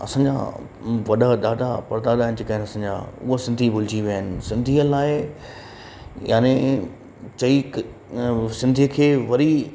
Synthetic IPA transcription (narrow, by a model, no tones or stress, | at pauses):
ɐ̰sãːɲd͡ʑa̰ | ʋɐɗad̪aːd̪apɐɾd̪aːd̪aːɦɪnd͡ʑeːkaɦɪ̃nɐsãːɲd͡ʑa̰ːʊ̰ɦosɪ̃nd̪ʱibʱʊld͡ʑiʋjaənɪ̆sɪ̃nd̪ʱiəlaːɪ | jaːne | t͡ɕɐi | sɪ̃nd̪ʱiəkʰeːʋɐɾi